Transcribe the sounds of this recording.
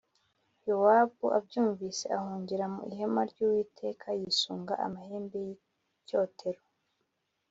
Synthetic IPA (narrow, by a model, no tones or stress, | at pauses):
jowaːbuʔabjuːɱviːse̞̰ʔahuːɲɟiɾamṵʔihemaɾɟuːwiːtʰe̞ːkʰajisuːŋɡaʔa̰maheːmbeji | coːtʰe̞ɾo